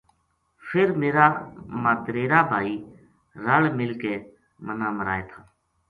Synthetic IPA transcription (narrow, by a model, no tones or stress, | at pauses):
fʰɪɾmeːɾaːmaːt̪ɾeːɾaːbʱaːiː | ɾəɭmɪlkeː | mənaːməɾa̰ːeːt̪ʰaː